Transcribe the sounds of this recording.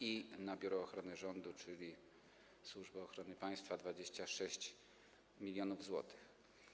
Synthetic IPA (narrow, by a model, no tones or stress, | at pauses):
inabʲjuɾɔːxɾɔnɘʐɔnd̪ut͡ʂɘlʲi | swuʐbaɔxɾɔnɘpaj̃st̪fad̪vad͡ʑeɕt͡ɕaʂɛɕt͡ɕ | mʲilʲjɔnuvzwɔ̰t̪ɘ̥x